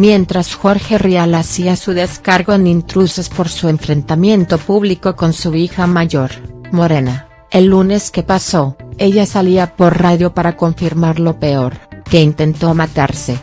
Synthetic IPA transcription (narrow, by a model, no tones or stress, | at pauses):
mje̞nt̪ɾasxo̞ɾxe̞rialasiasuðe̞skaɾɣo̞enint̪ɾuse̞spo̞ɾsue̞ɱfɾe̞nt̪amjẽ̞nt̪o̞puβliko̞ko̞nsuixamaʝo̞ɾmo̞ɾe̞na | e̞lːune̞ske̞paso̞e̞ʝasaliapo̞ɾraðjo̞paɾako̞ɱfiɾmaɾlo̞pe̞o̞ɾke̞int̪e̞nt̪o̞mat̪aɾse̞